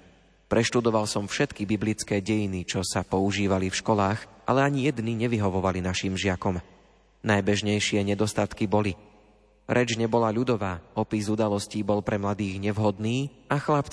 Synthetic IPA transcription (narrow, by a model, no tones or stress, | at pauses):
pɾʔɛʃt̪ud̪ɔʋalsɔmfʃɛt̪kibiblit͡skɛːɟɛjinit͡ʃɔsapɔuʒiːʋalifʃkɔlaːɣʔa̰lɛaɲijɛd̪niɲɛʋiɦɔʋɔʋalinaʃimʒɪakɔm | najbɛʒɲɛjʃɪɛɲɛd̪ɔst̪at̪kibɔli | ɾɛd͡ʒɲɛbɔlaʎud̪ɔʋaːɔpizud̪alɔsciːbɔlpɾɛmlad̪iːɣɲɛʋɦɔd̪niː | axlapt͡s